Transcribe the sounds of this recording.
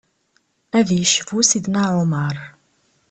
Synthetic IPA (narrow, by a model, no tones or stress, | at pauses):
ævjəʃəvusid̪naʕʊməɾˤ